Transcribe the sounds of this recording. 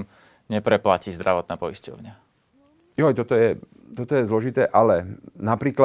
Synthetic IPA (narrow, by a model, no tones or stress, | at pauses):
ɲɛpɾɛplaciːzd̪ɾaʋɔt̪̚naːpɔiscɔʊɲɪa | jɔjt̪ɔt̪ɔjɛ | t̪ɔt̪ɔjɛzlɔʒit̪ɛːʔalɛnapɾiːkla